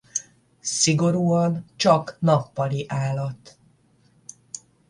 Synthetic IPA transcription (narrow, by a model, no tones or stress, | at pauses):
siɡo̞ɾuːɒnt͡ʃɒknɒpːɒliʔaːlɒt̪